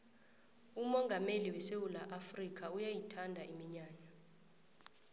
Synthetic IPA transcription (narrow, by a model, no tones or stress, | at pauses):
umɔŋɡʱameliwɛsewulaʔafrikʰaujajitʰandʱaʔimiɲaːɲa